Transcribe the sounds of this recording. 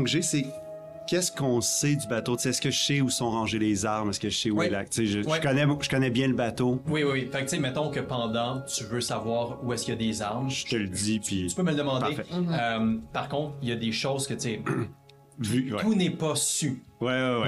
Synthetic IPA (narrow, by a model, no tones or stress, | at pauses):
ɡʒese | kʲɛskɔ̃sɛd̪ybat̪ot͡seɛskʲəʒə̥sɛusɔ̃ʁɑ̃ʒelezaʁmɛskəʃsɛuwilak̚t͡seɪʒəwɛkɔnɛʒə̥kɔnɛbjɛ̃ləbat̪owiwiwifak̚tt͡semɛt̪ɔ̃kəpɑ̃d̪ɑ̃t̪yvøsavwɑːʁuɛskʲjad̪ezaʁmʒə̥t̪əld̪ipʰiy̥pømələd̪əmɑ̃dpaefɛømpaʁkɔ̃t̪ijad̪eʃoʊzkʲət͡se | vywɛt̪unɛpʌsywɛwɛwɛ